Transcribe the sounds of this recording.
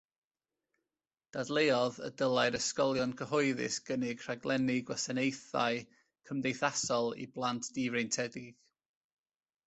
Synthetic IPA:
d̥adlˠeːɔðə̰dəlˠaɨɾəskɔlˠjɔnkʰəɦɔɨðɪ̰sɡ̥ənɪɡ̥r̥aɡlˠʔɛnɪɡwasanejθa̰ɨ | kʰəmdejθasɔlˠḭblˠantʰd̥iːvrejntʰɛdɪɡ̥

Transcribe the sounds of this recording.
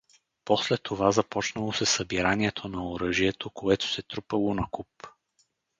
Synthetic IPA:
poslɛt̪ʰːovazɐpɔt͡ʃnəlˠosɛsəbiɾaniɛt̪ʰonɐoɾɤʒiɛt̪ʰokoɛt̪o̥sɛt̪ɾupɐlˠonɐkup

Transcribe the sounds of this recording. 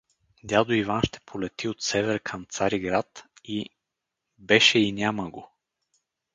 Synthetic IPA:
d̪ʲjad̪oivanʃt̪ɛ̥pʰolɛt̪iot̪sɛvɛɾkʰɐmt̪saɾiɡɾat̪i | bɛʃɛinʲaməɡo

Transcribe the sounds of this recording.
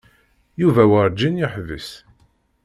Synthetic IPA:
juvæwəɾˤd͡ʒːinjɪħvəs

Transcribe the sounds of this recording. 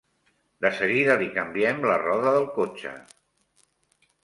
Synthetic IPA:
d̪əsəɣiðəlikəmbiɛmlərɔðəðəlˠkot͡ʃə̰

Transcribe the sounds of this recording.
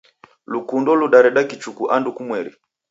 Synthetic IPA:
lukundɔluɗaɾɛɗakit͡ʃukuʔandukumwɛɾi

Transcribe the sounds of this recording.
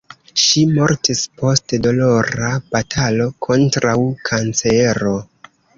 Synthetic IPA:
ʃimo̞ɾtispo̞stedo̞lo̞ɾab̥atʰalo̞kʰo̞ntɾawkʰant͡seɾo̞

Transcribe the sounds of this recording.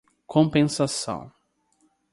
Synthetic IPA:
kʰõmpẽsasɐ̰̃w̃

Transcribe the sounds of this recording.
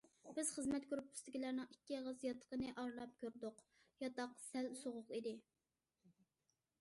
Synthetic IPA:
b̥ɪz̥χəzmɛt̪kʲøɾypyst̪ɪɡʲilæɾnɨŋikʲːiʁəzjɑt̪ʰːə̥qənɨʔɑɾlˠɑp̚kʲʰøɾd̪ʊq | jɑt̪ɑqsælsoʁʊqid̪ɪ

